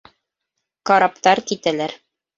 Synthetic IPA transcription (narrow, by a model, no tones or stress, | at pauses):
kɑɾɑpt̪ɑɾkit̪ælæɾ